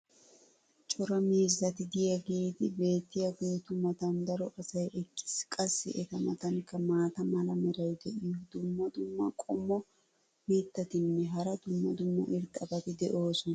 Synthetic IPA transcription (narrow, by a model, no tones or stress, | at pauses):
t͡ʃʼɔɾɐmeːzːɐt̪ɪd̪ɪjɐɡeːt̪ɪbe̞ːt̪ːɪjɐɡeːt̪ʊmɐt̪ɐnd̪ɐɾɔʔɐsɐjɛkːɪ̥skʼɐsːɪ̰ʔɛt̪ɐmɐt̪ɐŋkːɐmaːt̪ɐmɐlɐmɛɾɐjd̪ɛʔɪjɔd̪ʊmːɐd̪ʊmːɐkʼɔmːɔ | miːt̪ːɐt̪ɪnːɛɦɐɾɐd̪ʊmːɐd̪ʊmːɐ̰ʔɪɾt̪ʼːɐbɐt̪ɪd̪ɛʔo̞ːsʊnɐ